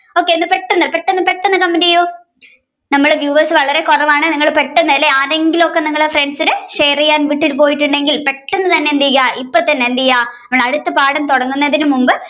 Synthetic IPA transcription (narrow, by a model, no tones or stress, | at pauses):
o̞ːkːeːnːɨpeʈːɐnːɐpeʈːenːɨpeʈːenːɨkɐmːeniɐjoː | nɐmːɐɭʋjuːʋɐrsɨʋɐɭɐɾe̞kurɐʋaːɳɨniŋːɐɭpeʈːenːɐlːeaːɾe̞ŋɡilo̞kːe̞niŋːɐɭefreɳɖsineʂejrijaːnʋiʈːilpo̞ːjiʈːuɳɖe̞ŋɡilpe̞ʈːenːɨt̪ɐnːe̞nd̪iɣaipːot̪ːɐnːend̪ijaːnɐmɐɭɐɽut̪ːɐpaːɽɐmt̪oɽɐŋːunːɐðinumumbɨ